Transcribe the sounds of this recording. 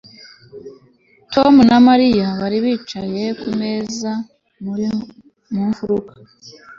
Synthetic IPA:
to̞munamaɾijaβaɾiβiːt͡ʃaje̞kume̞za | muɾ | muːɱvuɾukḁ

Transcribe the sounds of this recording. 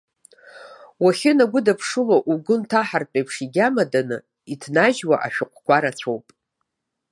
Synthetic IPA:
waχʲɪnaɡʷʊdapʰʂɨloʔuɡʊntʰaħarpʷʼejpʰʂiɡʲamadanɨ̰ | itʰnaʒwaʔa̰ʃᶣʊqʷʰʼkʷʰaɾat͡ɕʷʰowpʼ

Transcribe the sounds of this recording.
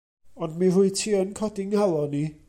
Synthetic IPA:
ɔndmiruɨtʰiːənkʰɔdɪŋalˠɔni

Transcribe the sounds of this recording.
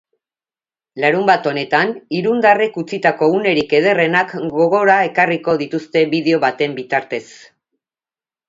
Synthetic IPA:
laɾumbat̪o̞ne̞t̪aniɾund̪arekut͡sit̪ako̞une̞ɾike̞ð̞e̞re̞nakɡo̞ɣo̞ɾae̞kariko̞ð̞it̪ust̪e̞βiðe̞o̞βat̪e̞mbit̪aɾt̪e̞s

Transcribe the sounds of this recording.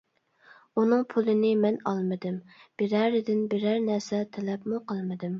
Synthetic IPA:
unɨŋpʰulˠɨnɪmɛnɑlˠmɨd̪ɪmb̥ɪɾæɾɪd̪ɪnbɪɾæɾnæɾsɛt̪ʰɛlɛpmuqʰəlˠmɨd̪ɪm

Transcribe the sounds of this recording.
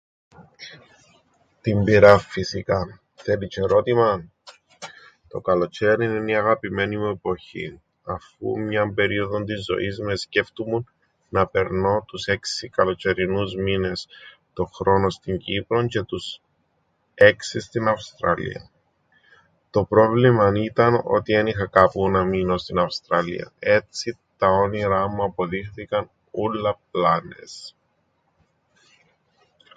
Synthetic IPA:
t̪imbiɾɐfːisikɐ | θelit͡ʃeɾo̞t̪imɐ | t̪o̞kɐlo̞t͡ʃeɾininiɐɣɐpime̞nimue̞poçḭ | ɐfṵmɲɐmbe̞ɾio̞ðo̞nt̪̬izːo̞̰izmesce̞ft̪umunː | ɐpe̞ɾno̞t̪use̞ksikɐlo̞t͡ʃe̞ɾinuzmine̞s | t̪o̞xɾo̞no̞st̪iɲɟipɾoɲce̞t̪us | e̞ksist̪inɐfst̪ɾɐlḭɐ̰ | t̪o̞pɾo̞vlimɐnit̪ɐno̞̰t̪ie̞nixɐkɐpunɐmino̞st̪inɐfst̪ɾɐlḭɐ̰e̞t͡sit̪ɐo̞niɾɐmuɐpo̞ðixθikɐn | ulːɐp̚lɐnḛs

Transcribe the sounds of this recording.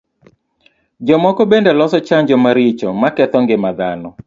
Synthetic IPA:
d͡ʒɔmɔkɔbendɛlɔsɔt͡ʃaɲd͡ʒɔmaɾit͡ʃɔmakɛt̪ɔŋɡɪmad̪anɔ

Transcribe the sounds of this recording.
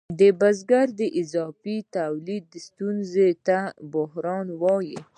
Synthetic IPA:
d̪əbazɡaɾd̪əʔɪzɑfit̪awlid̪ːəst̪unzet̪abʊɦɾɑnwɑji

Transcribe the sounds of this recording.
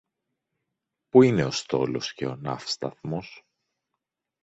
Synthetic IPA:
puine̞o̞st̪o̞̰lo̞̰sce̞o̞nɐ̰fst̪ɐθmo̞s

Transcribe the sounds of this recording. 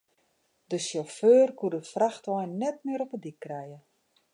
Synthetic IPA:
dəsjoføːrkudəfraxtʋɔjnːɛt̚mɪəɾɔpədikːrɛjə

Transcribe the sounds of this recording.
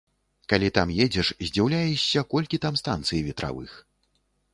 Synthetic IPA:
kalʲit̪amjɛd͡zʲɛʂzʲd͡zʲiwlʲajɛɕʲːɐkɔlʲkʲit̪amst̪ant̪sɨjivʲɛt̪ɾa̰vɨ̰x

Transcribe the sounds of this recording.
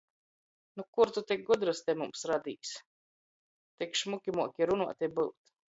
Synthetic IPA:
nukuɾt̪ut̪ʲik̚ɡud̪ɾɨst̪ʲɛmumsɾad̪ʲiːs | t̪ikʃmukʲimuɔkʲiɾunuɔt̪ʲɛbɨwt̪

